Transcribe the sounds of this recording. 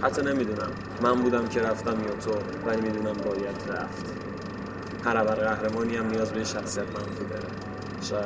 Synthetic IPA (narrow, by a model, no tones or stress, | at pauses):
hæt̪ʰːɒne̞mid̪uːnæ̰mːæmbuːd̪æmcʰe̞ɾæft̪æmjɒːt̪ʰo | vælimiːd̪uːnæmbɒːjæt̪ʰɾæ̰ft̪ | hæɾævæɾɣæhɾe̞mɒːniæmnijɒːzbeiʃæxsijæt̪ʰmænfud̪ɒ̰ɾḛ | ʃɒːjæ